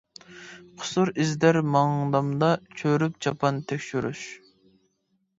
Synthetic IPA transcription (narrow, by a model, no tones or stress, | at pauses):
qʰʊ̥suɾɪzd̪æɾmɑŋd̪ɑmd̪ɑt͡ʃʰøɾyp̚t͡ʃɑpʰɑnt̪ʰɛkʲʃyɾy̰ʃ